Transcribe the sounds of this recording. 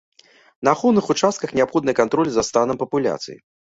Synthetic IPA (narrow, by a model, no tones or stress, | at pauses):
nɐːxɔwnɨxut͡ʂast̪̚kɐxnʲɛapxɔd̪nɐjkant̪ɾɔlʲizɐst̪anɐmpɐpulʲa̰t̪sɨ̰jḭ